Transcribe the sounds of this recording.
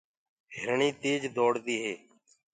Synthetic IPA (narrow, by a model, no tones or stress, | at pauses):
ɦɪɾɳiːt̪eːd͡ʒd̪oːɽt̪iːɦeː